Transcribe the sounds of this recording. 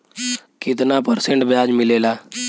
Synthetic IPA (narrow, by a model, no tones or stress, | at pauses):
kɪt̪naːpəɾsẽɳʈbjaːd͡ʒmɪleːlaː